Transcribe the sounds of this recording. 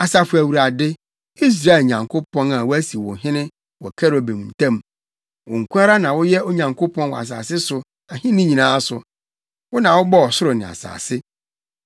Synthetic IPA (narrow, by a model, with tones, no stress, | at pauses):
a˨sa˨fʊ˨æ˨wu˨ɾa˨dɪ˦ | i˦s̬ɾaː˦e˨lɲã˨ŋkʰo˦pʰɔ̃˦na˨wʊ˦æ˦si˨wʊ̰˨ɦɪ̃˦nɪ̃˦ | wɔ˨kʰɛ˦ɾo˨be˨m˨n̩˨tʰã˦m˨ | wʊ˨ŋ̩˨kʰʷu˦a˦ɾa˦nã˨wʊ˦jɛ˦o˦ɲã˨ŋkʰo˦pʰɔ̃˦nwɔ̰˨a̰˨s̬a̰ː˨sɪ˦sʊ˨ | a˨hɪ̃˦nɪ̃˦ɲĩ˨nãː˦sʊ˨ | wʊ˦nã˨wʊ˦bɔ˦ɔ˨sʊ˦ɾʊ˨nɪ̃˨a̰˨sa̰ː˨sɪ˦